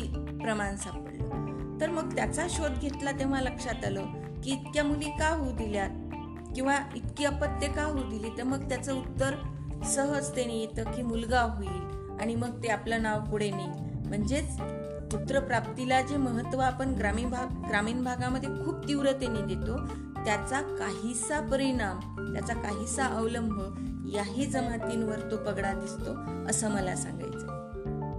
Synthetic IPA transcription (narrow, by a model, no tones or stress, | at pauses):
ipɾəmansapəɽlə̰t̪əɾməɡ̚t̪jat͡saɕod̪̚ɡʱet̪lat̪eʋ̤aləkʂat̪alə | kiːt̪kjamulikaɦud̪ilja | kĩw̃ʋait̪kiːəpət̪ːjekaɦud̪iliːt̪əɾməɡ̚t̪jat͡səut̪ːəɾ | səɦəd͡zt̪enijet̪əkiːmulɡaɦoil | aɽ̃iməɡ̚t̪eaplənaʋkuɽ̤enaj | m̤əɳd͡zet͡s | t̪ut̪ɾəpɾap̚t̪ilad͡ʑeməɦət̪ːʋəapəɳɡɾamiːbʱaɡɡɾamiːnbʱaɡaməd̪ʱːjekʰuːp̚t̪iʋɾət̪enid̪et̪o | t̪jat͡sakaɦisapəɾiɽ̃am | t̪jat͡sakaɦisaʔəʋləmbʱə | jaɦiːd͡zəmat̪inʋəɾt̪opəɡɽad̪ist̪o | əsəməla̰sã̰ŋɡa̰jt͡sə